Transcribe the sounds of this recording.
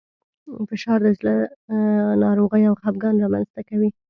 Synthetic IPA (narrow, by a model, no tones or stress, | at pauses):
fɪʃɑɾd̪əd͡ʒlə | nɑɾoɣəjawxab̚ɡɑnɾɑma̰nzt̪akawi